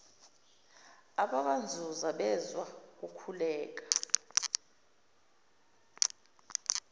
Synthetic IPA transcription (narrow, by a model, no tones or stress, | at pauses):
aɓaɓand͡zʱuzaɓɛzwak̬ukʰulɛːk̬ḁ